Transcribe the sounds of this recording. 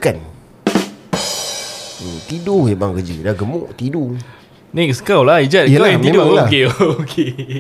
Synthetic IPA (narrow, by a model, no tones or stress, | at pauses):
kan | t̪iduhjabaŋkəd͡ʒədaɡəmoʔt̪idu | nɛ̃ksə̥kawlahid͡ʒat̚əaaãidlakeookʰe